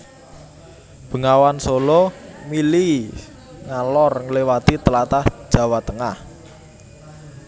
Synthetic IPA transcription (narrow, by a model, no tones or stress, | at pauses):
b̥ə̤ŋawansolɔmili | ŋalɔrŋəlewat̪it̪əlat̪ahʒ̥ä̤wat̪əŋah